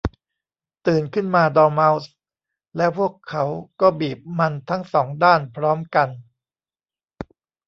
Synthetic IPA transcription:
t̪ɯː˨˩nkʰɯ˥˩nmaː˧dɔː˧ma˦˥ws | lɛː˦˥wpʰu˥˩əkʰːa˦˥wkɔː˥˩biː˨˩p̚ma˧nt̪ʰa˦˥ŋsɔː˩˦ŋdaː˥˩npʰɾɔː˦˥mka˧n

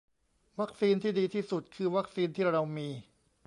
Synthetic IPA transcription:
wa˦˥k̚siː˧nt̪ʰiː˥˩diː˧t̪ʰiː˥˩su˨˩t̪̚kʰɯː˧wa˦˥k̚siː˧nt̪ʰiː˥˩ɾa˧wmiː˧

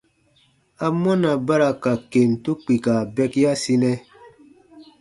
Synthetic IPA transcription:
a˨mɔ˦na˨ba˦ɾa˨ka˨ke˨mtu˦k͡pi˨ka˨bɛ˦kja˦si˦nɛ˦

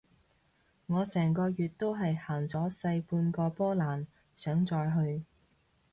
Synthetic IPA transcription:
ŋɔː˨˧sɛː˨˩ŋkɔː˧ɥyː˨t̚t̪o˥wɦɐ˨jhaː˨˩ŋt͡sɔː˨˥sɐ˧jpuː˧nkɔː˧pɔː˥laː˨˩n | sœː˨˥ŋt͡sɔː˧jɦɵ˧ɥ

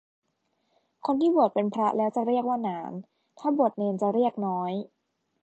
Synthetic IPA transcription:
kʰo˧nt̪ʰiː˥˩bu˨˩ət̪̚pe˧npʰɾa˦˥ʔlɛː˦˥wt͡ɕa˨˩ɾi˥˩ək̚waː˥˩naː˩˦n | t̪ʰaː˥˩bu˨˩ət̪̚neː˧nt͡ɕa˨˩ɾi˥˩ək̚nɔː˦˥j

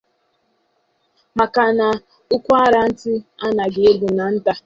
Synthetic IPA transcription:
ma˨ka˨na˨ | ʊ˦kʷa˦ɾa˨n̩˦tɪ˦a˦na˨ɡɪ˨e˦ɡu˨na˨n̩˦ta˦

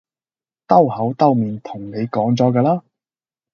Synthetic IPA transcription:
t̪ɐ˥whɐ˨˥wt̪ɐ˥wmiː˨˧nt̪ʰʊ˨˩ŋne˨˧jkɔː˨˥ŋt͡sɔː˨˥kaː˧laː˥

